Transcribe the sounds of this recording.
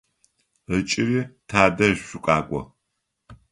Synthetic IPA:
ət͡ʃʼɪɾiːtʰaːdɐɕʷʊkʷʼaːkʷʼɔ̰

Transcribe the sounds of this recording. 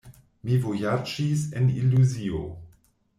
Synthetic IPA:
mivojad͡ʒiseniluzio

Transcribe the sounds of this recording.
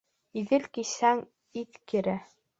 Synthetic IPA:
iðɘlkisæŋ | it̪kiɾæ

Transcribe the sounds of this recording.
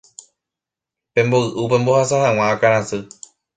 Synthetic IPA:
pẽ̞mboɨʔupẽ̞mbohasahãw̃ãakaɾ̃ãsɨ

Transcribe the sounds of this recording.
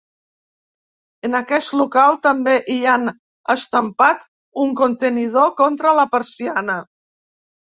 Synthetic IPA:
ənəkɛst̪lukalˠt̪əmbeʔian | əst̪əmpat̪ | uŋkont̪ənið̞okɔnt̪ɾələpəɾsianə

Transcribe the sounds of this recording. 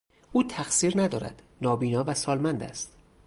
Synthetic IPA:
ʔuːt̪ʰæxsiːɾnæd̪ɒːɾæ̰d̪̥ | nɒːbiːnɒːvæsɒːlmænd̪æ̰st̪

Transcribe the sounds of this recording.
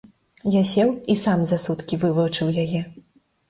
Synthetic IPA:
jasʲɛwisamzasut̪kʲivɨvɐt͡ʂɨwjajɛ

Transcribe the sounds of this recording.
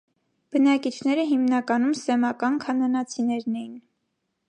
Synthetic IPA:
b̥ənɑkit͡ʃʰnɛɾəɦimnɑkɑnumsɛmɑkɑnkʰɑnɑnɑt͡sʰinɛɾnɛjin

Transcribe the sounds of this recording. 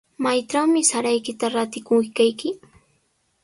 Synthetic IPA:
majʈ͡ʂawmɪsaɾajkɪt̪aɾat̪ɪkʊkajkɪ

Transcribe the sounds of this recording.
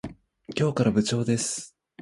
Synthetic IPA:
kʲo̞ːkaɾabɯ̟t͡ɕo̞ːd̪e̞sɨ̥

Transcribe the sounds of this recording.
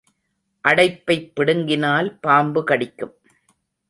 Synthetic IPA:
ʔɐɽɐɪpːɐɪpːɪɽɯŋɡɪnaːlpaːmbɯkɐɽɪkːɯm

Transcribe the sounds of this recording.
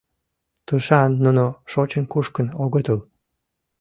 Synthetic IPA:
t̪uʃɑnːunoʃot͡ɕənkuʃkənoɣət̪əl

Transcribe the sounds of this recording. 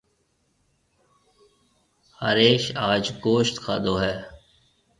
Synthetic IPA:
ha̰ɾeːʃaːd͡ʒɡoːʃt̪kʰaːd̪oːɦɛː

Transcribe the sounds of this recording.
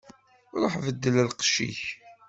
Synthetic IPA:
ɾˤoħvəd̪ːələlqʃḭç

